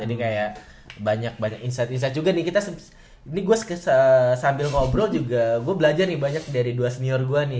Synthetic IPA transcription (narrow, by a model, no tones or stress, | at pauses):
d͡ʒadikajaʔ | baɲak̚baɲakinsajt̪ins̬ajt̪̚d͡ʒuɡanɪhkit̪asə | niɡuaskəsəsambɪlŋɔbɾɔld͡ʒuɡaɡuabəlad͡ʒarnɪbaɲak̚daɾiduasəniɔrɡuanɪ